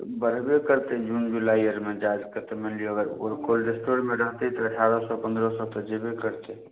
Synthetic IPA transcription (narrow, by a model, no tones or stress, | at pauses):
bəɾ̤bekəɾt̪ɛd͡ʒund͡ʒulaiəɾmed͡ʒad͡ʒkəɾt̪emenliəɡəɾoɾkolɾesʈoɾmeɾəɦt̪ɛt̪ɔəʈʰaɾəsɔpənd̪ɾɔsɔt̪ɔd͡ʒebekəɾt̪ɛ